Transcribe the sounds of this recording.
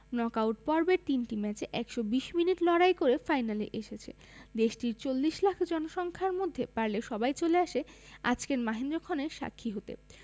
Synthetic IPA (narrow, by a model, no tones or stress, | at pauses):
nɔkawʈpɔɾbeɾt̪inʈimɛt͡ɕeʔɛkʃobiʃminiʈlɔɽajkoɾefajnaleʔeʃet͡ɕʰḛ | d̪eʃʈiɾt͡ɕolːiʃlakʰd͡ʑɔnoʃɔŋkʰaɾmod̪ʱːepaɾleʃɔbajt͡ɕoleaʃea̰d͡ʑkeɾmaɦend̪ɾokʰɔneɾʃa̰kʰːiɦot̪ḛ